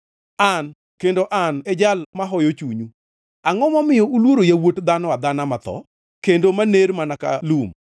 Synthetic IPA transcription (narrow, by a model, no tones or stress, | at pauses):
an | kendoʔanɛd͡ʒalmaɦɔjot͡ʃuɲu | aŋɔmɔmɪjɔulwoɾojawotd̪anɔwad̪anamat̪ɔ̰ | kendomaneɾmanaka̰lum